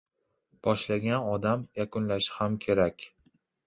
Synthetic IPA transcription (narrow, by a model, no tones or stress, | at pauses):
b̥ɒʃlaɡʲanɒd̪amjakʊnlaʃɪ̥hamkʲʰe̞ɾakʲ